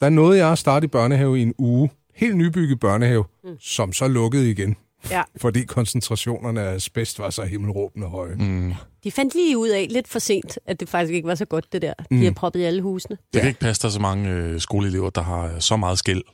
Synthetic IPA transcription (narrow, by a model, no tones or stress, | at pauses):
d̥ɑ̈æɐnɔ̽ːð̞̩ˠjɑ̈æsd̥ɑ̈ːd̥əib̥ɶɐnəɦɛʊie̝nuː | he̝̰ːld̥nyb̥yɡ̥əð̩ˠb̥ɶɐnəhɛʊsɒ̽msɒ̽lɔ̽ɡ̥əð̞̩ˠiɡ̥en | fɒ̽d̥ḭːkʰɒ̽nsənt͡sʰʁɑ̈ɕo̝̰ːnɐnəæsb̥esd̥ʋɑ̈sɒ̽he̝ml̩ʁɔ̰̽ːb̥n̩ɒ̽ɦɒ̽ɪd̥ifæn̰d̥liːuð̞̰ˠɛle̝d̥fɒse̝̰ːnd̥ʔæd̥e̝fɑ̈ɡ̥isɡ̥e̝ɡ̥ʋɑ̈sɒ̽ɡ̥ɔ̽d̥̚ːe̝d̥æɐ̰d̥ihɑpʰʁɒ̽b̥ð̩ˠæləhuːsnəd̥e̝kʰæe̝ɡ̥̚pʰæsd̥æs̬ɒmɑ̈ŋəsɡ̥o̝ːləele̝ʊɐd̥ɑ̈ɦɑ̈sɒ̽mɑ̈ːð̩ˠsɡ̥el̰